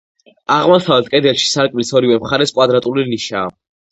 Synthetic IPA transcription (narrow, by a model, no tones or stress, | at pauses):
aʁmɔsavɛt̪̚kʼɛd̪ɛlˠʃi̥saɾkʼmilisɔɾivɛmχaɾɛskʼwad̪ɾat̪ʼuliniʃaː